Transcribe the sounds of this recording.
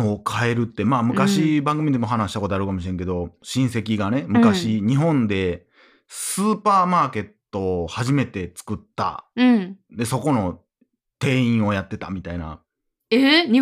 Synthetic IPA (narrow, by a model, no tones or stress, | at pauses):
oːkʰae̞ɾɯ̟t̪ːe̞maːmɯ̟kaɕibãŋɡɯmʲid̪e̞mo̞ɦanaɕi̥t̪ako̞t̪oaɾɯ̟kamo̞ɕ̬iɾẽ̞ŋke̞d̪o̞ɕĩɰ̃se̞kʲiɡane̞mɯ̟kaɕiɲ̟iɦõ̞nd̪e̞ | sɨːpaːmaːke̞t̪ːo̞ːhaʑime̞t̪e̞t͡sɨ̥kɯ̟t̪ːa̰ | d̪e̞so̞ko̞no̞ | t̪e̞ːĩɰ̃o̞jat̪ːe̞t̪a̰mʲit̪aina̰ | e